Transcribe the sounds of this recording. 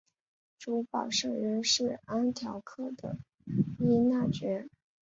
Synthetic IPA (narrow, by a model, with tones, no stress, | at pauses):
ʈ͡ʂu˧˥pɑ̰˨˩ʊʂɤ˥˩ŋɻə˧˥nʂɻ̩˥˩a˥nt̪ʰjɑ˧˥ʊkʰɤ˥˩d̪ə̰˩ | i˥na˥˩t͡ɕɥɛ˧˥